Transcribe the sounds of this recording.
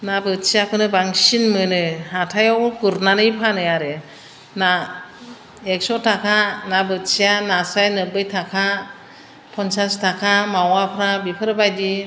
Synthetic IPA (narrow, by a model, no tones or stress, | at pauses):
nabɯsijakʰɯnɯbaŋsinmɯnɯhatʰajɔwkɯɾnanɯjpʰanɯjaɾɯ | na | ek̚sɔtʰakʰanabɯsijanasajnɯbɯjtʰakʰa | pʰɔnsastʰakʰamawapʰɾabipʰɯɾbajdi